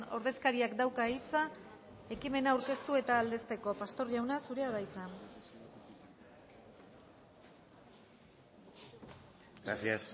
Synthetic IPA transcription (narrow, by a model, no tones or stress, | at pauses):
o̞ɾð̞e̞skaɾiakd̪awkaeit͡sa | e̞kime̞naːwɾke̞st̪ue̞t̪aːld̪e̞st̪e̞ko̞past̪o̞ɾʎawnasuɾe̞aðajt͡san | ɡɾa̰sias